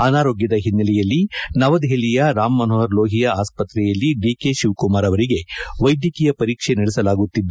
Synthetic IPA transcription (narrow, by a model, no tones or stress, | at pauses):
ɐnaːɾo̞ːɡjɐd̪ɐɦinːɐlɛjɐlːinɐʋɐd̪ɦelijɐɾaːmːɐnɐɦɐɾlo̞ːɦijɐaːspɐt̪ɾɛjɐlːiɖiːke̞ʃiʋkumaːɾɐʋɐɾiɡe̞ʋɐjd̪jɐkijɐpɐɾiːkʂeniɭɛsɐlaːɡut̪ːid̪ː